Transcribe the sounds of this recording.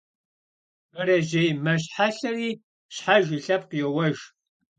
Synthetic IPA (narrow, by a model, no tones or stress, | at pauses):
mɐɾɐʒejmɐɕħaɬɐriː | ɕħaʒiɬɐp̚qijɛwɐʒ